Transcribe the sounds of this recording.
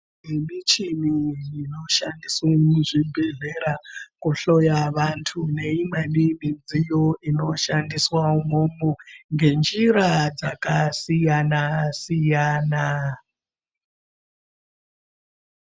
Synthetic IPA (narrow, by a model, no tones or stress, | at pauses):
emit͡ʃimijino̞ʃandiswamuʐibʱe̞ɮe̞ɾakuɬojaʋantʰune̞imenimid͡zijoino̞ʃandiswaumomoŋɡe̞nd͡ʒiɾad͡zakasijanasijaːna